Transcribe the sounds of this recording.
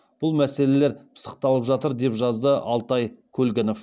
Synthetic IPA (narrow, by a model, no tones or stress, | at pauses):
b̥ʊlˠmæse̞le̞leɾpʰə̥sə̥q̚t̪ɑlˠəpʒɑt̪əɾd̪e̞pʒɑzd̪əʔɑlˠt̪ɑjkʲʰɵlɡʲɪno̞f